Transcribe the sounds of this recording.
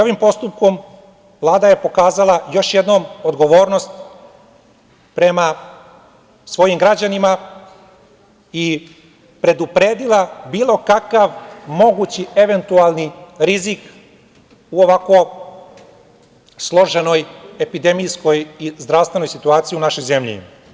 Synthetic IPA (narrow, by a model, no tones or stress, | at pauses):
oʋimpo̞st̪up̚ko̞m | vlˠaːd̪aje̞po̞kaːzalˠajo̞ʃje̞d̪nomod̪ɡo̞ʋo̞ːɾno̞st̪ | pɾe̞ma | sʋo̞jimɡɾad͡ʑanima | i | pɾe̞d̪upɾe̞ːd̪ilˠabiːlˠo̞kakaʋmo̞ɡut͡ɕie̞ʋe̞nt̪ualˠniɾizik | uoʋako̞ | slˠo̞ʒe̞no̞je̞pid̪e̞mijsko̞jizd̪ɾaʋst̪e̞no̞jsit̪uaːt̪sijiunaʃo̞jze̞mʎḭ